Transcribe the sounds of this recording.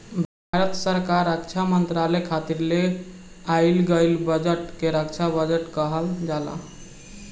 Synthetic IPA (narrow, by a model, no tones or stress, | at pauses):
bʱaɾət̪səɾkaɾəkt͡ʃʰamənt̪ɾalekʰat̪iɾle | ailɡəjlbəd͡ʒəʈkeɾəkt͡ʃʰabəd͡ʒəʈkəɦəld͡ʒala̰